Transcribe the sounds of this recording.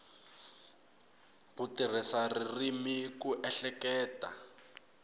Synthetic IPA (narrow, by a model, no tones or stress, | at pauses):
butir̤isaririmikuʔɛɬɛkɛːtʼa̰